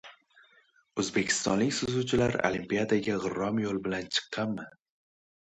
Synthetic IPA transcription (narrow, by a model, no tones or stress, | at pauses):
ɵzbe̞kʲʰɪ̥st̪ɒ̰nlɪkʲsʊzut͡ʃʰɪlaɾo̰limpiad̪aɡʲaʁɨɾɒmjolˠbɪlant͡ʃʰɨ̥qːɑnmɪ